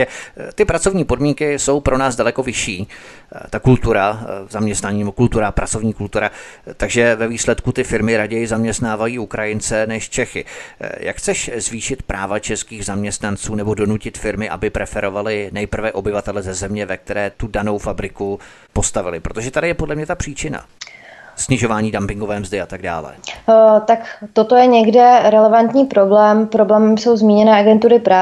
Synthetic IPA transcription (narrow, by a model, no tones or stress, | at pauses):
ɛt̪ɪpɾat͡so̞vɲiːpo̞dmiŋkɪso̞wpɾʔo̞naːzdalɛko̞vɪʃiː | t̪akult̪uɾazamɲɛst̪naɲiːnɛbokult̪uɾapɾʔat͡so̞vɲiːkult̪uɾat̪aɡʒɛvɛviːslɛt̪kut̪ɪfɪɾmɪɾaɟɛjɪzamɲɛst̪naːvajiːukɾajɪnt͡sɛnɛʃt͡ʃɛxɪ̰ja̰kxt͡sɛʃzviːʃɪt̪pɾʔaːvat͡ʃɛskiːɣzamɲɛst̪nant͡suːnɛbo̞do̞nucɪt̪fɪɾmɪʔa̰bɪpɾʔɛfɛɾo̞valɪnɛjpr̩vɛʔo̞bɪvat̪ɛlɛzɛzɛmɲɛvɛk̚t̪ɛɾɛːt̪udano̞wfabɾɪku | po̞st̪avɪlɪpɾot̪o̞ʒɛt̪adɪjɛpodlɛmɲɛt̪apr̥iːt͡ʃɪna̰ | sɲɪʒo̞vaːɲiːdampɪŋɡovɛːmzdɪat̪aɡda̰ːlɛ̰t̪akt̪ot̪ojɛɲɛɡdɛɾɛlɛvant̪ɲiːpɾoblɛːmpɾoblɛːmmso̞wzmiːɲɛnɛːʔaɡɛnt̪uɾɪpɾaː